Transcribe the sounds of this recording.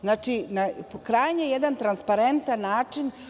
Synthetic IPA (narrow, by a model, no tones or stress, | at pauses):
znaːt͡ʃinapokɾajaɲejed̪ant̪ɾanspaɾent̪anːaːt͡ʂin